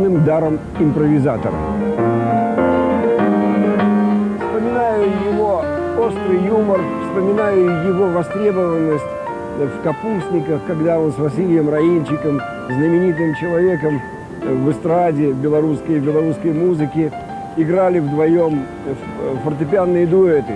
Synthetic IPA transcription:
nɨmd̪aɾəm | ɪmpɾəvʲɪzat̪ə̰ɾə̰ | fspəmʲɪnajjʊjɪvoo̞st̪ɾɨjjumərfspəmʲɪnajʊjɪvo̞vɐst̪ɾʲe̞bəvənːəsʲtʲ | fkɐpusʲnʲɪkəfkɐɡd̪ao̞nsvɐsʲilʲɪjəmrɐint͡ɕːɪkəm | znəmʲɪnʲit̪̬ɨmt͡ɕɪlˠɐvʲe̞kəm | vɨst̪ɾadʲɪvbʲɪlˠɐɾuskəjvbʲɪlˠɐɾuskəjmuzɨkʲɪ | ɪɡɾalʲɪvd̪vɐjom | fərt̪ʲɪpʲɪanːɨjəd̪ʊɛt̪ɨ

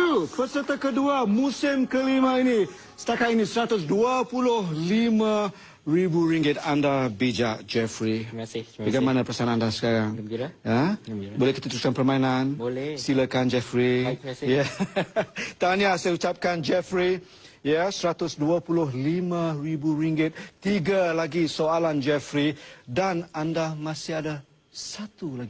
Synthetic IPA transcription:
upəsət̪əkəduamusɪmkəlimãini | sə̥t̪akat̪inisəɾat̪ʊsduapulʊhlimã | ribuɾiŋɡɪt̪̚andabid͡ʒaʔd͡ʒɛfɾibaɡajmanãpəsaanandasə̥kaɾaŋabolɛhkət̪ut̪ulkanpərmainansiləkand͡ʒɛfɾija | t̪aniasajaut͡ʃap̚kand͡ʒɛfɾi | jasəɾat̪ʊsduapulʊhlimãribuɾiŋɡɛt̪̚ːiɡalaɡisoaland͡ʒɛfɾidanandamãsiada | sat̪ulaɡi

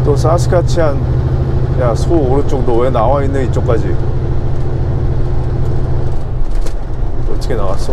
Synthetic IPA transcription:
t͈osʰasʰɯ̥kat͡ɕʰiɦan | jasʰooɾɯt͡ɕ͈oŋdowenawainːɯnit͡ɕ͈ok͈ad͡ʑi | ʌt͈ʌ̥kʰenawas͈o

